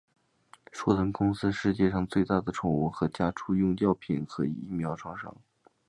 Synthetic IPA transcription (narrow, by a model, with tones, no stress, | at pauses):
ʂwɔ˥˩t̪ʰə˧˥nkʊ˥ŋsɹ̩˥ʂɻ̩˥˧t͡ɕjɛ˥˧ʂɑ˥˧ŋt͡swe˥˧ɪt̪a˥˩d̪ə˩ʈ͡ʂʰʊ˨˩ŋu˧˥˩xɤ˧˥t͡ɕja˥ʈ͡ʂʰu˥jʊ˥˧ŋt͡ɕjɑ˥˩ʊpʰi˨˩˦nxʰɤ˧˥˧ḭ˥˩mjɑ˧˥ʊʈ͡ʂʰwɑ˥˧ŋʂɑ̰˥˩ŋ